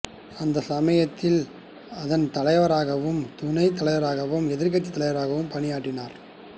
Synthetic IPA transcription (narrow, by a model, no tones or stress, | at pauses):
ɐnd̪ɐsɐmɐjɐt̪ːɪl | ɐðɐnt̪ɐlɐɪʋɐɾaːɣɐʋɯmt̪ʊnɐɪt̪ːɐlɐɪʋɐɾaːɣɐʋɯmɛðɪɾkːɐt͡ʃ̪ːit̪ːɐlɪʋɐɾaːɣɐʋɯmpɐnɪjaːʈːɪnaːɾ